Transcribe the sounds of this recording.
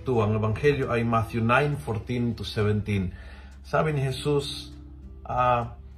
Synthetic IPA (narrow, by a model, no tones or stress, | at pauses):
t̪uaŋɛbaŋhɛljoʔajmat̪junajnfɔɾt̪ĩnt̪usɛvɛnt̪in | sabinihɛsus | ʔa